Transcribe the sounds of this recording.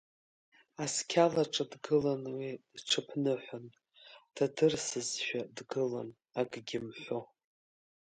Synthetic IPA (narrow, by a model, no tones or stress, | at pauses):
askʲʰalaʈ͡ʂʼadɡɨlanwidʈ͡ʂʰɨpʰnɨħʷan | tʰadɨrsɨzʃᶣadɡɨlan | aɡɡʲɪmħʷo